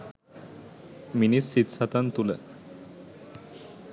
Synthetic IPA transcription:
minisːit̪sat̪ant̪ulɛ̰

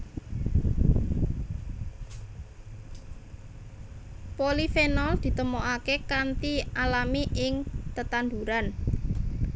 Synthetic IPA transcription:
polifenɔld̪̥i̤t̪əmoʔakekant̪ialamiʔɪŋt̪ət̪and̪uɾan

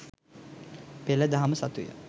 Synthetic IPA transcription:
peləd̪aɦaməsat̪ujə̰

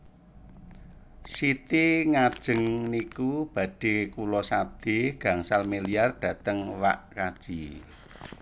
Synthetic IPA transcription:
sit̪iŋad̥ʒ̥ə̤ŋnikub̥ä̤ɖ̥e̤kulɔsad̪̥e̤ɡ̥ä̤ŋsalmeliarɖ̥ä̤t̪əŋwa̰ʔkad̥ʒ̥i

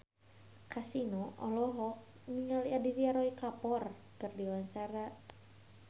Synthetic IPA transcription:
kasinɔʔɔlɔɦɔk̚ | niŋaliadiɾiaɾɔikapɔr | kɨrdiwaɲt͡ʃaɾa

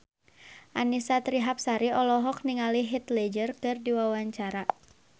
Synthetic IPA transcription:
ʔanisat̪ɾiɦap̚saɾiɔlɔɦɔk̚niŋaliɦit̪lɛd͡ʒərkɨrdiwawaɲt͡ʃaɾa

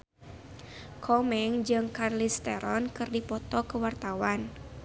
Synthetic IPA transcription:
kʰɔmɛŋd͡ʒɨŋkarlist̪ɛɾɔnkɨrdipɔt̪ɔkəwart̪awan

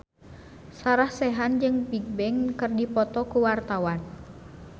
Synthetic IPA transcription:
saɾahsɛɦand͡ʒɨŋpik̚bɛŋkɨrdipɔt̪ɔkuwart̪awan

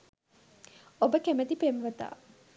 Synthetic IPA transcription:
obəkemɐt̪ipemʋɐt̪a̰ː

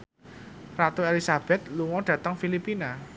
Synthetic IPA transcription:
rat̪uelisab̥ɛt̪̚luŋɔɖ̥ä̤t̪əŋfilipina

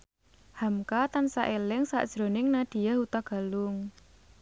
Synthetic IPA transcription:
hamkat̪ansaʔelɪŋsa̰ʔd̥ʒ̥ɾonɪŋnad̪̥i̤jahut̪aɡ̥a̤lʊŋ

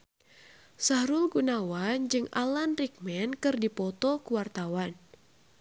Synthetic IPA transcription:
sahɾʊlɡunawand͡ʒɨŋa̰lanrik̚mɛnkɨrdipɔt̪ɔkuwart̪awan

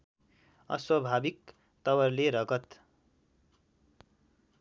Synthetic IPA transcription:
ʌ̰swʌbʱabik | t̪ʌwʌrleɾʌɡʌt̪

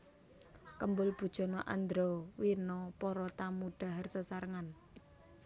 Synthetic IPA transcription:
kəmbʊlb̥ṳd̥ʒ̥ɔ̤nɔʔa̰nd̪ɾowinɔpɔɾɔt̪amuɖ̪̥a̤ɦarsəsaɾəŋan

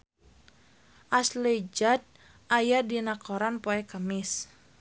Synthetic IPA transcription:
ʔasled͡ʒat̪̚ | ʔajadinakoɾanpoɛkamɪs

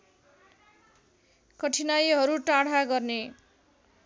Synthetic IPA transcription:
kʌʈʰinajɦʌɾuʈaɽ̤aɡʌrne

